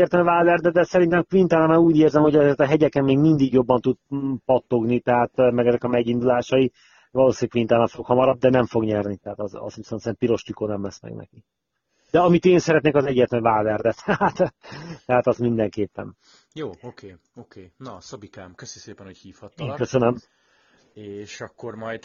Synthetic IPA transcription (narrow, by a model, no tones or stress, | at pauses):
ɛrt̪ɛlvaːvɛrd̪ɛd̪ɛsɛɾint̪ɛmkʋint̪ɛlmɛuːɟeːrzɛmho̞ɟɒzeːrt̪ɒɦɛɟɛkɛmːeːɡmind̪iɡjo̞bːɒnt̪ud̪̚pɒt̪ːo̞ɡnit̪ɛɦaːt̪mɛɡɛzɛkɒmɛɟind̪ulaːʃɒi | vɒloːsinkʋint̪alɛɱfokhɒmɒɾɒb̚d̪ɛnɛɱfo̞ɡɲɛrnit̪ɛɦat̪ɒzɒ̰sʋisɛnsɛnpiɾo̞ʃt̪ikoːnɛmlɛsmɛ̰ɡnɛ̰ki | d̪̥ɛɒmit̪eːnsɛɾɛt̪neːkɒzɛɟːɛt̪lɛɱvaːvɛrd̪ɛt̪ʰɛat̪t̪ɛɦaːt̪ɒzmind̪ɛŋkeːpːɛ̰n | joːokʰeː | okʰeːnɒsobikaːmkøsnikseːpɛnhochiːfhɒt̪ːŋkøsønøm | eːʃɒkːormɒjd̪